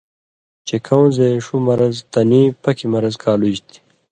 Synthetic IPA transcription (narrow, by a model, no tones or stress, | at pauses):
t͡ɕekʰɐw̃zeʂumɐɾɐzt̪ɐnipɐkʰimɐɾɐzkʰaːlud͡ʑt̪ʰi̥